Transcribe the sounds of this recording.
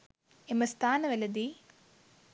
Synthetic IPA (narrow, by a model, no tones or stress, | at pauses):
emɐst̪aːnɐʋɐlɐd̪i